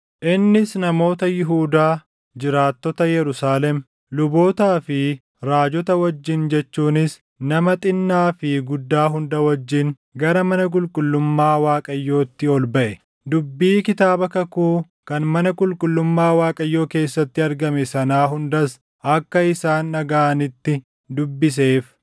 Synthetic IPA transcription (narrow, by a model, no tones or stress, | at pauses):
ʔɪnːɪsnɐmo̞ːt̪ɐjɪɦuːd̪aː | d͡ʒɪɾaːt̪ːɔt̪ɐjɛɾʊsaːlɛm | lʊbo̞ːt̪aːfɪ | ɾaːd͡ʒɔt̪ɐwɐd͡ʒːɪnd͡ʒɛt͡ʃːuːnɪs | nɐmɐt̪ʼɪnːaːfɪɡʊd̪ːaːɦʊnd̪ɐwɐd͡ʒːɪn | ɡɐɾɐmɐnɐk̬ʼʊlkʼʊlːʊmːaːwaːkʼɐjːo̞ːt̪ːɪɔlbɐʔɛ | d̪ʊbːiːkɪt̪aːbɐkɐkuː | kɐnmɐnɐkʼʊlkʼʊlːʊmːaːwaːkʼɐjːo̞ːke̞ːsːɐt̪ːɪɐɾɡɐmɛsɐnaːɦʊnd̪ɐs | ʔɐkːɐɪsaːnːɐɡaːnɪt̪ːɪ | d̪ʊbːɪs̬e̞ːf